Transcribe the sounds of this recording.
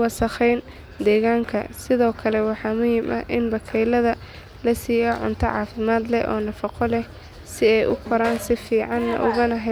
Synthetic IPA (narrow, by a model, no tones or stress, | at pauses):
wɑsɐχɛjn | d̪ɛːɣaːŋkʰɐ̰sɪðɔːkʰɐlɛwɑħɑːmʊjɪmʔɐ̰ʔɪnbɐkʰɛjlɐðɐ | lɐsiːjɐʕʊ̰nt̪ʰɔʕɑ̰ːfɪmaːd̪lɛ̰ʔɔ̰ːnɐfɑqʰɔlɛh | sɪɛjʔʊkʰɔɾaːnsɪfiːʕɑnːɐ̰ʔʊɣɐnɐɦɛ